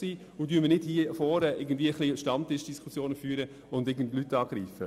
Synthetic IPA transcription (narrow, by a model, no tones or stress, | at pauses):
siː | ʊd̥yːəmənɪd̥hiːfɔːɾəʔɪɡən̩dviːəəχliʃtɑmtɪʃd̥iskʰusjoːnəfyːɾə | ʊndɪɡn̩dlytːɑːɡ̥ɾiːfə